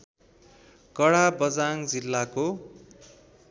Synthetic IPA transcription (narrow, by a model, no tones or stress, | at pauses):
kʌɽabʌd͡zaŋd͡zilːako